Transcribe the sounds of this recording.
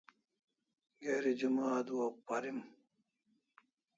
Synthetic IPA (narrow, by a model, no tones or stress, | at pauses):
ɡeːɾid͡ʑumaːd̪uwɐpːɐɾim